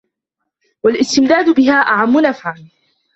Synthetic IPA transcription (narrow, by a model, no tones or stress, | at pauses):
walʔɪst̪ɪmd̪aːd̪bɪɦaːʔaʕamːʊnafʕan